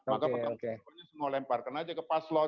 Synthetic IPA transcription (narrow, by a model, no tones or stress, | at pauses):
makapət̪akekɔɲasəŋolɛmparkənad͡ʒakəpaslɔ